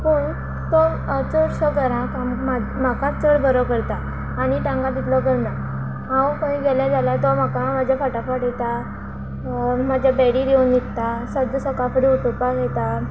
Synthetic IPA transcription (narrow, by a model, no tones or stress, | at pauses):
puːɳ | t̪ɔ | ət͡səɾsəɡəɾãkama | m̤akãt͡səɽbʱəɾəkəɾt̪aː | niʈãŋɡad̪it̪ʰləkəɾna | ɦãwkãĩɡɛljad͡zalat̪ɔm̤akamad͡ʑʱjafaʈafaʈjɛt̪a | m̤ad͡ʑʱjabɛɽiɾionːit̪t̪asəd̪əsəkafəɾiut̪upakjɛt̪a